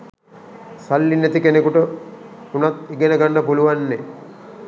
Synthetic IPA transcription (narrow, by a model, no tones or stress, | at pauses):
salːinːet̪ikenekuʈə | unat̪iɡenəɡanːəpuluʋanːe